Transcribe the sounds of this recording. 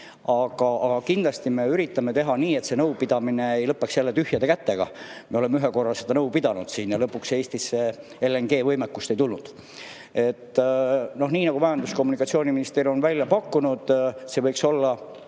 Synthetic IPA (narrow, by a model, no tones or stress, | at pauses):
ɑɡ̥ɑɑkind̪lɑst̪ime̞yɾit̪ːˑɑmet̪e̞ɦɑniːe̞t̪se̞nɤwpid̪̥ɑmine̞ejlɤpːˑeksjælːet̪yhjɑd̪e̞kæt̪ːe̞ɡ̥ɑ̰meo̞le̞meyɦeko̞rːɑse̞d̪ɑnɤwpid̪̥ɑnud̪̥siːnjɑlɤpːˑukse̞ːst̪isːe | elːeŋɡe̞ːvɤjmekːust̪e̞jt̪ulnud̪̥ | e̞t̪ːnohniːnɑɡ̥umɑjɑnd̪usko̞mːunikɑt̪sioːniminist̪iro̞nvælʲjɑpɑkːunud̪̥se̞vɤjkso̞lːɑ